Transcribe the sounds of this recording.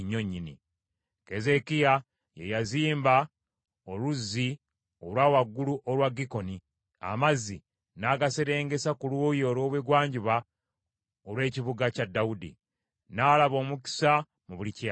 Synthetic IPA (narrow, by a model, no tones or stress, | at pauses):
ɲːo̞ɲːinḭ | ke̞ze̞kija | jejaziːmba | oluzːi | olwaːwaɡːuluʔolwaɡiko̞ni | a̰mazi | naɡaseɾe̞ːŋɡe̞sakuluːjolwo̞ːβweɡwaːɲɟiβa | olwe̞ːciβuɡacadːaudḭ | naːlaβo̞ːmuki̥sa | muβulica